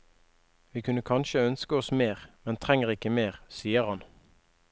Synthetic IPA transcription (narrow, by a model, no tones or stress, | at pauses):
ʋiːkʰʉnəkʰɑnʃəœnskəɔsmeːʁmɛnt̪ʰʁɛŋəʁɪkəmeːʁsiːəʁhɑn